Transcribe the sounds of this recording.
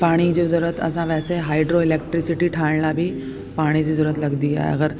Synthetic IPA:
paːɽ̃id͡ʑezuɾət̪ʰə̰sãʋɛːseɦaːiɖɾoilek̚ʈɾisiʈiʈʰaɳlabʱiː | paːɽ̃id͡ʑizuɾət̪lɐɡd̪ia̰ɦḛɐ̰ɡəɾ

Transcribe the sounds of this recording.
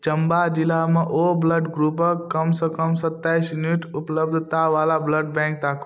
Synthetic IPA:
t͡ʃəmbad͡ʒilameʔobləɖɡɾupəkːəmsə̃kəmsət̪ːaːjsminiʈupləbd̪ʱt̪aʋalabləɖ̚bɛ̃ŋk̚t̪akʰ

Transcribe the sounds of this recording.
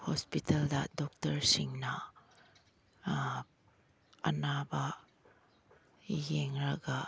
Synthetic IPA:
hɔspitɐldɐdɔk̚tɐɾsiŋnɐ | ɐ̰nabɐ | jeŋɾɐɡɐ

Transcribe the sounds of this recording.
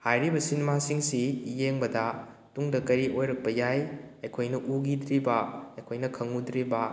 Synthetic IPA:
hajɾibɐsinemasiŋsijeŋbɐdɐ | tuŋdɐkɐɾiʔojɾɐk̚pɐjaj | ɐjkʰojnɐʔuɡidɾibɐɐjkʰojnɐkʰɐŋud̪ɾibɐ

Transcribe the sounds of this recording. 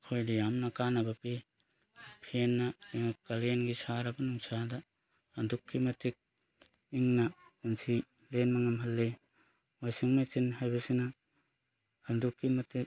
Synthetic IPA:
kʰojdijamnɐkanɐbɐpi | pʰenːɐkalenɡisaɾabɐnuŋsada | hɐndukʰːimɐtik̚ | iŋnaunsʰi | lenmaŋamɦɐlːe | ajsiŋmasinhajbasina | hɐndukʰːimɐtik̚

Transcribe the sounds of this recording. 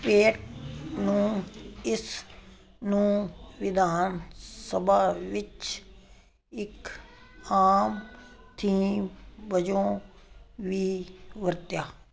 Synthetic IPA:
peːʈnũːɪs | nũːʋɪd̪ʱaːnsəbaːʋɪt͡ʃ | ɪk | aːmt̪ʰiːmʋəd͡ʒõː | ʋiːʋəɾt̪jaː

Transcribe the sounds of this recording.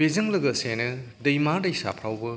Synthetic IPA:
bezɐŋlɐɡɐsenɐ | dɐjmaɾdɐjsa̰pʰɾawbɐ

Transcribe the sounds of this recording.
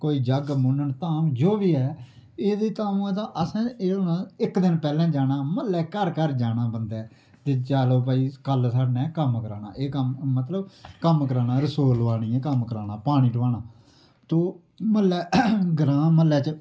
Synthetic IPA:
koːiːd͡ʒəɡmʊ̃nəɳt̪aːmd͡ʒoːʋiːɛː | eːd̪iːt̪aːmũːɛːt̪ãːʔəsãːeːnãːɪkd̪ɪnpɛːlɛ̃ːd͡ʒaːnaːməlːɛːkəɾkəɾd͡ʒaːnaːbənd̪ɛː | t̪eːt͡ʃaːloːp̬aːiːkəlsaɖnɛ̃ːkəmkəɾaːna̰ːʔeːkəmːət̪ləbkəmkəɾaːnaːɾəsoːlʋaːɽ̃iːɛ̃ːkəmkəɾaːnaːpaːɽ̃ĩːʈəʋaːnãː | t̪oː | məlːɛːɡəɾãːməlːɛːt͡ʃ

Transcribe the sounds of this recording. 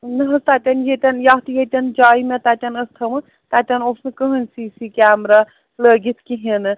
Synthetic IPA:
nɐɦɐst̪at̪ʲɐnjet̪ʲɐnjaɦt̪ijet̪ʲɐnd͡ʒaːimet̪at̪ʲɐnəst̪ʰɐmɨ | t̪at̪ʲɐnosʰmekəɦənsisikʲaːmɾa | ləɡit̪ʰkiɦenɨ

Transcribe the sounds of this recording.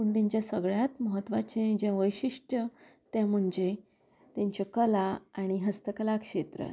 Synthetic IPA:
uɳɖiɲt͡ɕjasəɡɭjat̪məɦət̪ːʋat͡ɕẽd͡ʑẽʋəjɕiʂʈət̪jãm̤əɳd͡ze | t̪ãɲt͡ɕakəlaaɽ̃iɦəst̪əkəlakʂet̪ɾə̰

